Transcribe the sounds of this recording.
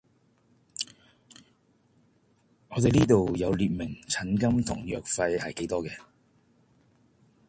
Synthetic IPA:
ŋɔː˨˧t̪e˨jliː˥t̪o˨wjɐ˨˧wliː˨t̚mɪ˨˩ŋt͡sʰɐ˨˥nkɐ˥mt̪ʰʊ̰˨˩ŋjœ̰ː˨k̚fɐ˧jhɐ˨jke˨˥jt̪ɔː˥kɛː˧

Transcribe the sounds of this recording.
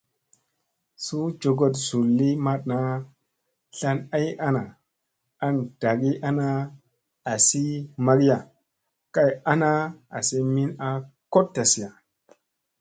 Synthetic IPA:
su˦d͡ʒo˨ɡo˨t̬z̥u˨lːi˦ma˦t̚na˦ | ɬa˦na˦ja˦na˨ | a˦nd̥a˨ɡi˦ʔa˦na˦ | a˨si˦ma˦ɡi˦a˨ | ka˦ja˦na˦a˨si˦mi˦na˦ko˦ttːa˨si˨a˨

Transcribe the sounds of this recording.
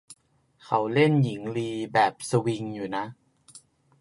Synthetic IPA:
kʰa˦˥wle˥˩nji˩˦ŋliː˧bɛː˨˩p̚sa˧wi˧ŋjuː˨˩na˦˥ʔ

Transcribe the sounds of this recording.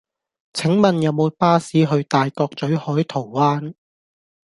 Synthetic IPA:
t͡sʰɪ˨˥ŋmɐ˨njɐ˨˧wmo˨˧wpaː˥siː˨˥ɦɵ˧ɥt̪aː˨jkɔː˧k̚t͡sɵ˨˥ɥhɔː˨˥jt̪ʰo˨˩wwaː˥n

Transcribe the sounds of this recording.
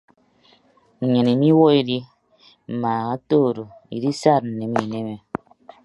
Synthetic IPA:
ɲe˨ni˨mi˦wɔ˦i˨di˦ | m̩˨ma˨ɣa˦toː˦˨ɾo˨ḭ˨di˦sa˦˨t̚n̩˨ne˨˦mi˨ne˦me˨

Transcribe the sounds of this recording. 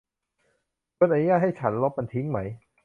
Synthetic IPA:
kʰɯ˧nʔa˧nu˦jaː˥˩t̪̚ha˥˩jt͡ɕʰa˦˥nlo˦˥p̚ma˧nt̪ʰi˦˥ŋma˦˥j

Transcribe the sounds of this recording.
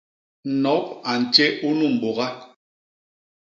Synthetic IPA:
nɔ˨˦p̚a˨n̩˨t͡ʃe˦ʔu˦nu˦˨m̩˨bo˨ɣa˦

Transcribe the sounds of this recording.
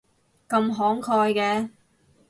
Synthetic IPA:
kɐ˧mɦɔː˨˥ŋkʰɔː˧jkɛː˧

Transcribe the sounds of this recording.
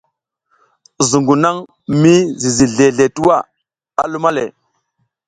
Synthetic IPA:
zu˨ŋɡu˨na˦ŋ | mi˦zi˨zi˨ɮe˨ɮe˨tu˦wa˦˨ | a̰˨lu˦ma˦le˨

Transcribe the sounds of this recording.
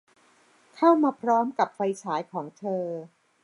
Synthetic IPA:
kʰa˥˩wmaː˧pʰɾɔː˦˥mka˨˩p̚fa˧jt͡ɕʰaː˩˦jkʰɔː˩˦ŋt̪ʰɤː˧

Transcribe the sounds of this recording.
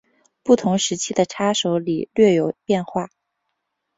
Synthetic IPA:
pu˥˩t̪ʰʊ˧˥ŋʂɻ̩˧˥t͡ɕʰi˥d̪ə˨ʈ͡ʂʰa˥ʂo˧˥ʊlḭ˨˩lɥɛ˥˩jo˨˩ʊpjɛ˥˧nxwa˥˩

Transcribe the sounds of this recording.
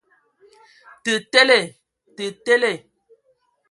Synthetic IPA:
tə˨te˦le˨ | tə˨te˦le˦˨

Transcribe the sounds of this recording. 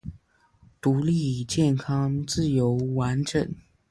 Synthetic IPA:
t̪u˧˥li˥˨t͡ɕjɛ˥˩nkʰɑ˥ŋt͡sɹ̩˥˩jo˧˥ʊwa˧˥nʈ͡ʂə˨˩˦n

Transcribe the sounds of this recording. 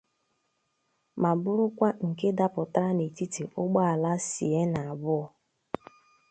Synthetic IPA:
ma˨bʊ˦ɾʊ˦kʷa˦ŋ̩˨ke˦da˦pʊ˨tɾa˦ne˨ti˦te˨ʔʊ˦ɡ͡ba˦a˨la˦sḭ˨e˦na˨a˨bʊ˦ɔ˨

